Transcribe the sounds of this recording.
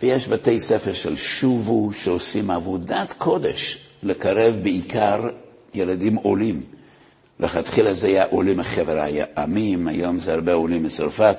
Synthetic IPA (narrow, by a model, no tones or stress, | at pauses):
vejɛʃbatejsefeɾʃelʃuvuʃeosimavudatkʰodḛʃlekaɾevbeikʰaɾ | jeladimolim | leχat̪χilazeajaʔolimeχevɾaaamimajo̞mzehaɾbeolimlət͡saɾfat